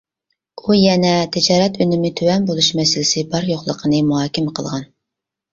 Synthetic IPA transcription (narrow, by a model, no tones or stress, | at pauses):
ujɛnɛt̪ʰɪd͡ʒɑːɾɛt̪ʰønɪmɪt̪ʰøwɛnbolˠuʃmɛsɪlɪsɪbɑɾjoχlˠəqʰənɨmuɦɑːkʲɪmqʰə̰lˠʁɑn